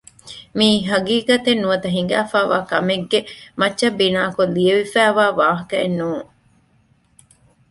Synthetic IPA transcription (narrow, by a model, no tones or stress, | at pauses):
miːɦɐɡiːkɐt̪enːuʋɐt̪ɐɦiŋɡæːfæːʋa̰ːkɐmeɡːemɐtːʃɐbːinaːkulieʋifæːʋaːʋaːɦɐkɐḛnːuːŋ